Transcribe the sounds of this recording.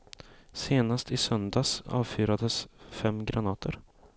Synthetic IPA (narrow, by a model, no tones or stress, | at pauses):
seːnast̪ʰɪsœnd̪ɑsɑ̰ːvfyːɾad̪əsfɛmːɡɾanɑːt̪ʰəɾ